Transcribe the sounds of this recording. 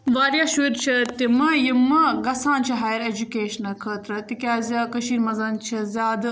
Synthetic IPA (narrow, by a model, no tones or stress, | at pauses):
ʋaːɾjaːʃuːɾt͡ʃʰɐt̪imɐjimɐɡɐsaːnt͡ʃʰiɦaːjɐɾeːd͡ʒukeːʃɐnɐkʰəːt̪ɾɐt̪ikʲjaːzʲɐkɐʃiːɾmɐzɐːnt͡ʃʰɐzʲaːd̪